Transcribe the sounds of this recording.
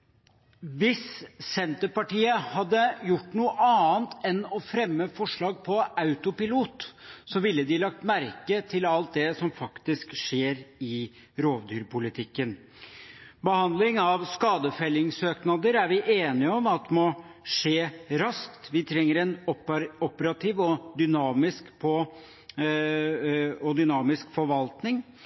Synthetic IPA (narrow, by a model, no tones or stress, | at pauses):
ʋɪssɛnt̪əpɑʈiːəhɑd̪ːəjʊʈːnuːəʔɑːnt̪ʰɛnɔfɾɛmːəfɔʂɭɑːɡ̚pʰɔɑʉt̪ʊpɪluːt̪sɔʋɪlːəd̪ɪlɑk̚t̪mæɾkət̪ʰɪlɑlt̪̚d̪ɛsɔmfɑkt̪ɪskʂeːɾɪ | ɾoːʋd̪yːɾpʊlɪt̪ʰɪkːən | bəhɑnd̪lɪŋɑʋskɑːd̪əfɛlːɪŋsøːknɑd̪əɾæɾʋɪʔeːnɪəɔmɑt̪̚ːmɔ | ʂeːɾɑskt̪ʋɪt̪ʰɾɛŋːəɾɛnɔpəɾɑt̪ʰiːʋɔd̪ʏnɑːmɪskpʰɔ | ɔd̪ʏnɑːmɪskfɔɾʋɑlt̪nɪŋ